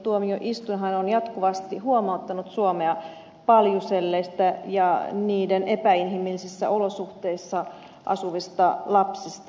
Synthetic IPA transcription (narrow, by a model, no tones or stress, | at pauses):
t̪uomioʔist̪unɦɑnonjɑt̪kuʋɑst̪ihuomɑut̪ːɑnut̪suomeɑ | pɑljuselːeist̪æjɑniːdenepæinɦimilːisisːæ̰ʔolosuht̪eisːɑ | ʔɑ̰suʋist̪ɑlɑpsist̪